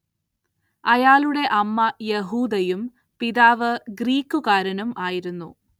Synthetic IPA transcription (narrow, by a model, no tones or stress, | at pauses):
ɐjaːluɽe̞ʔɐmːɐjeɦuːd̪ɐjum | piðaːʋɨɡriːkːukaːɾɐnɐmaːjiɾunːṵ